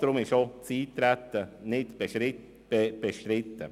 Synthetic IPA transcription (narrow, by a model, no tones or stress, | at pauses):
d̥̪ɾʊmɪʃot͡siːt̪ɾæt̪ːənɪte | eb̥eʃtɾɪt̪ːə